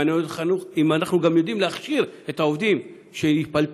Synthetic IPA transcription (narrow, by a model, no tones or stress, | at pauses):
nejot̪χanuχimanaχnuɡamjo̞d̪imleaχʃiʁe̞t̪aovd̪im | ʃenipal